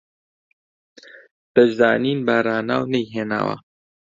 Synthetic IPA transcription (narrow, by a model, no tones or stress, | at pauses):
t̪ɐʒzaːniːnbaːɾaːna̰ːwnɐjɦeːna̰ːwɐ̰